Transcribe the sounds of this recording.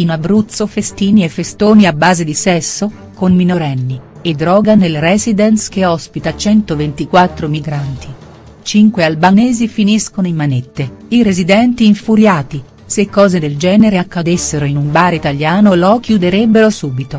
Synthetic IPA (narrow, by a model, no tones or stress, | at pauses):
inabːɾut̪sːofest̪iːniefːest̪oːniabːaːzed̪isɛsːo | komminoɾɛnːi | ed̪ːɾɔːɡanelrɛːzid̪ɛnsk̟eɔspit̪at͡ʃɛnt̪ovent̪ikwat̪ːɾomiɡɾant̪i | t͡ʃiŋkwealbanɛːzifiniskonoimːanet̪ːeiɾezid̪ɛnt̪iːɱfuɾjaːt̪i | sekːɔːzed̪eld͡ʒɛːneɾeakːad̪esːeɾoinumbaːɾit̪aljaːnolɔk̟ʰjud̪eɾɛbːeɾosuːbit̪o